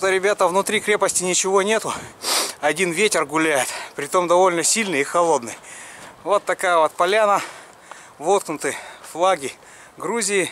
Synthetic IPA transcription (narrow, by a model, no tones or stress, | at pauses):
t̪əɾʲɪbʲat̪əvnʊt̪ɾʲikɾʲe̞pəsʲtʲɪnʲɪt͡ɕɪvo̞nʲe̞t̪ʊ | ɐdʲinvʲetʲɪrɡʊlʲæjɪt̪pɾʲɪt̪o̞md̪ɐvo̞lʲnəsʲilʲnɨixɐlˠo̞d̪nɨjvo̞t̪ːɐkajəvot̪̚pɐlʲanə | vot̪̚knʊt̪ɨjflˠaɡʲɪ | ɡɾuzʲɪjɪ